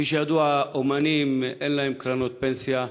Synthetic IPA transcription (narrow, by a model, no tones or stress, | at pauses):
iʃiad̪uaomanimenlajmkɾanot̪̚pɛnsja